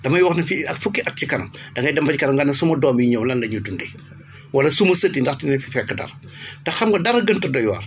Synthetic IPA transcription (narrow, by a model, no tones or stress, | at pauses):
dɐmɐjwɐxnɐfiɐkfukːiʔɐt̚t͡ʃikɐnɐ̰ŋdɐkɐjdɐmfɐcikɐnɐmŋɡɐnːɐsumɐdɔːmjiɲɐwlɐnlɐɲudundɛ | wɐlɐsumɐsɐtːindɐxtinɐfifɛkːədɐ̰ɾ | tɐxɐmɡɐdɐɾɐɡəntɐdɔjwa̰r